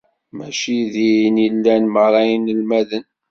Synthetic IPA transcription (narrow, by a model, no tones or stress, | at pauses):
mæʃiðinilːænmərˤɑjnəlmæðən